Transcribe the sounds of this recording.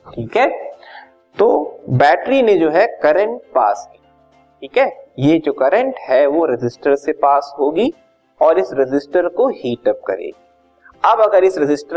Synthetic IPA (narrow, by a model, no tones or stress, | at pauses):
ʈʰiːkɦɛː | t̪oːbɛːʈɾinẽd͡ʒoːɦɛkɐɾə̃ɳʈ̚paːski | ʈʰiːkɦɛːjed͡ʒoːkɐɾə̃ɳʈɦɛʋoɾɪd͡ʒɪsʈəɾsepaːsɦoːɡi | ɔːɾɪsɾɪd͡ʒɪsʈəɾkohiːʈəp̚kɐ̰ɾḛːɡiː | ɐbɐɡəɾɪsɾɪd͡ʒɪsʈə